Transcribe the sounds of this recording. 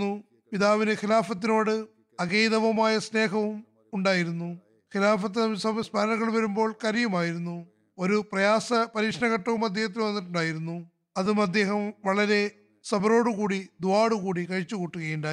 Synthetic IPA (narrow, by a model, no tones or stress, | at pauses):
u | piðaːʋinɨxilaːfɐt̪ːino̞ːɽɨ | ɐɣejðɐʋɐmaːjɐsne̞ːɦɐʋum | uɳɖaːjiɾunːu | xilaːfɐt̪̬ːiɐsɐmsbʱɐɾɐnɐɣɐɭʋɐɾumbo̞ːɭkɐɾɐjɐmaːjiɾunːu | o̞ɾuprɐjaːsɐpɐɾiːkʂɐɳɐɣɐʈːɐʋumɐd̪ːeːhɐt̪̬ːilʋɐnːiʈːuɳɖaːjiɾunːu | ɐðumɐd̪ːe̞ːɦɐmʋɐɭɐɾe̞ | sɐbɐro̞ːɽukuːɽid̪uʋaːɽukuːɽikɐɻit͡ɕːukuːʈːuɣɐjuɳɖaː